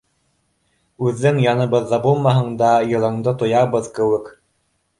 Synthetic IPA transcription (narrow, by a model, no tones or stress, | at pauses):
ʉðːɘŋjɑnɤ̆βɤ̆ðːɑbulˠmɑɦɤ̆ɴd̪ɑjɤ̆lˠɤ̆ɴd̪ɤt̪ŏjɑβɤðkɘ̆wɘk